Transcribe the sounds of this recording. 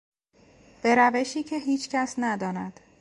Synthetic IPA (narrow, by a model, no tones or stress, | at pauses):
b̥e̞ɾæve̞ʃiːcʰe̞ɦiːt͡ʃʰcʰæsnæd̪ɒːnæd̪̥